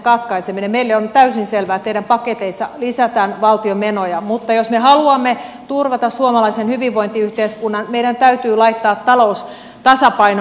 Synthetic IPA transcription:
kɑt̪kɑiseminemmeilːeont̪æysinselʋæːt̪eiɾæmpɑket̪eisːɑlisæt̪æːnʋɑlt̪iomenojɑmut̪ːɑjosmehɑluɑmːet̪urʋɑt̪ɑssuomɑlɑisenhyʋiʋʋoint̪iyht̪eːskunːɑnmeiɾænt̪æyt̪yːlɑit̪ːɑːt̪ːɑlous | t̪ɑsɑpɑin

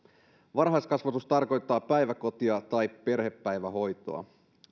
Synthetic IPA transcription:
ʋɑnɦɑjskɑsʋɑt̪ust̪ɑrko̞jt̪ːɑːpæjʋæko̞t̪iɑt̪ɑjppe̞rɦe̞pːæjʋæɦo̞jt̪o̰ɑ̰

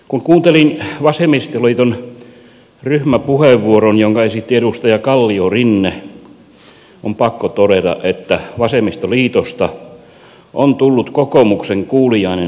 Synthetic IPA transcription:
kuŋkuːnt̪elinʋɑsemist̪oliːt̪on | ryhmæpuheʋːuoronjoŋkɑesit̪ːiedust̪ɑjɑkɑlːiorinːe | ompɑkːot̪oɾet̪ɑ̰ʔʔet̪ːæʋɑsemist̪oliːt̪ost̪ɑ | ʔont̪ulːut̪kokomukseŋkuːlijɑine

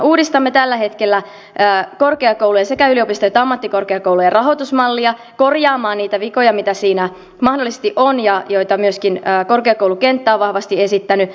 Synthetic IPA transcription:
uːdist̪ɑmːet̪ælːæhe̞t̪kelːæː | ko̞rkeɑkoulujɑsekæyliopist̪ɑjot̪ːɑmːɑt̪ːiko̞rkeɑkowlujɑrɑɦo̞t̪usmɑlːiɑ | ko̞rjɑːmɑːnniːt̪æʋiko̞jɑmit̪æsiːnæ | mɑhdolːˑise̥st̪iʔonjɑjojt̪ɑmyøskinːko̞rkeɑkowluke̞nt̪ːæːʋʋɑhʋɑst̪ie̞sit̪ːæny

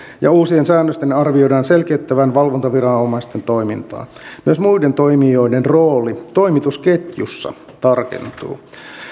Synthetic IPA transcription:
jɑuːsiensæːnːøst̪enɑrʋiodɑːnselkeyt̪ːæʋænʋɑlʋont̪ɑʋirɑnomɑist̪ent̪oimḭnt̪ɑ̰ːmyøsmuident̪oimio̞idenroːlit̪o̞imit̪usket̪jusːɑ̰ | t̪ɑrkḛnt̪ṵː

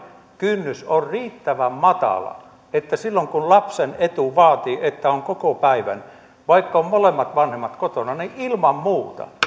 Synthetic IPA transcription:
kynːysorriːt̪ːæʋæmmɑt̪ɑ̰lɑ̰ | et̪ːæsilːoŋkunlɑpsenet̪uʋɑːt̪iːʔet̪ːæoŋkokopæiʋæ̰n | ʋɑikːɑommolemːɑt̪ʋɑnhemːɑt̪kot̪onɑniʔilmɑmmuːt̪ɑ̰

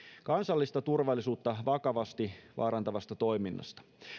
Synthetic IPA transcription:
kɑnsɑlːist̪ɑt̪urʋɑlːisuːt̪ːɑʋɑkɑʋɑst̪iʋɑ̰ːɾɑnt̪ɑʋɑst̪ɑt̪o̞jminːɑ̰st̪ɑ̥

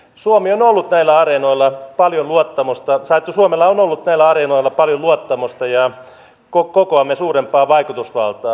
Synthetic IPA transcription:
suomionolːut̪næilːæɑrenoilːɑpɑljonluot̪ːɑmost̪ɑsɑt̪ːsuomelːɑonolːut̪næilːæɑrenoilːˑɑpɑljoluot̪ːɑmost̪ɑjɑ | kokokoɑmːesuːrempːˑɑːʋɑikut̪usʋɑ̰lt̪ɑː

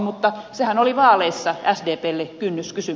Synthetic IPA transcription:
mut̪ːɑsehænoliʋɑːleisːɑʔæsdeːpeːlːekynːyskysy

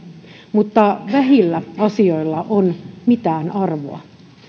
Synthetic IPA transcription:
mut̪ːɑʋæɦilːæɑsioilːɑʔonmit̪æːnɑrʋo̰ɑ

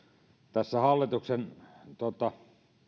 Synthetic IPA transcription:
t̪æsːæhɑlːit̪uksent̪ot̪ɑ

